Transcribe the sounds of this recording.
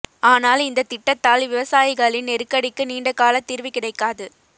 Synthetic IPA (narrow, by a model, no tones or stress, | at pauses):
aːnaːlɪnd̪ɐt̪ɪʈːɐt̪ːaːlʋɪʋɐsaːjɪɣɐɭɪnɛɾɯkːɐɽɪkːɯniːɳɖɐkːaːlɐt̪ːiːɾʋɪkɪɽɐɪkːaːðɯ